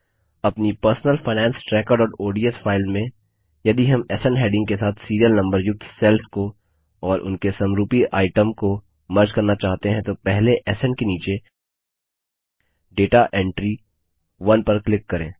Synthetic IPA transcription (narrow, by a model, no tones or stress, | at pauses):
ɐpnipɐɾsnəlfaːɪnɛ̃ːnsʈɾɛːkəɾɖɔːɾoːɖiesfaːɪlmẽ | jɐd̪iɦɐmɛːsəɳɖɦeːɖɪ̃ŋɡ̚kesaːt̪ʰsiːɾijəlnɐ̃mbəɾjʊk̚t̪ʰsɛːlsko | ɔːɾʔʊ̰nkesɐ̃mɾuːpiʔaːɪʈəmko | mɐɾd͡ʒkɐɾnat͡ʃaːɦt̪eɦɛ̃t̪opɛɦleʔɛːsə̃ɳɖkeniːt͡ʃe | ɖeːʈaʔɛ̃ːɳʈɾi | ʋɐnpɐɾklɪkːɐɾẽː